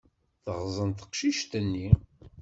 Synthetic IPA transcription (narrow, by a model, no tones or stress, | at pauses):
θəʁzˤənt̪ə̥qʃiʃt̪ənːi